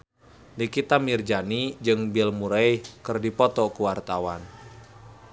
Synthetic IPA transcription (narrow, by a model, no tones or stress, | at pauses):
dikit̪amird͡ʒanid͡ʒɨŋbɛlmuɾaikɨrdipɔt̪ɔkuwart̪awan